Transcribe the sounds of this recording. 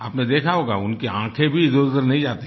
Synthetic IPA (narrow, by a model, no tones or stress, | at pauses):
aːpned̪eːkʰaɦoːɡa̰ʊnkeãːkʰẽbʱizʊzəɾnɐɦĩd͡ʒaːt̪i